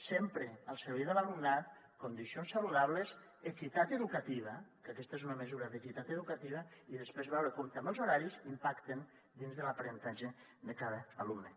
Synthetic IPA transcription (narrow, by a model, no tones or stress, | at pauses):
sempɾeəlˠsəɾβiðəlalumnat̪ | kond̪isionsaluðaβ̞ləz | ekit̪at̪əðukat̪iβ̞ɐkəkɛst̪aezunəməzuɾɐðəkit̪at̪əðukat̪iβ̞ɐiðəspɾezβɛwɾəkomt̪ambelˠzoɾaɾizimpakt̪en | d̪inzðəlapaɾent̪aʒe | d̪əkaðəːlumnə